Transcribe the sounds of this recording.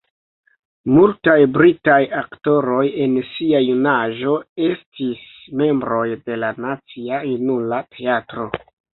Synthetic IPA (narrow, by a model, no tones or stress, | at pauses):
multajbɾitajakto̞ɾo̞je̞nsiajunaʒo̞e̞stis | me̞mbɾo̞jde̞lanat͡siajunulatʰe̞atɾo̞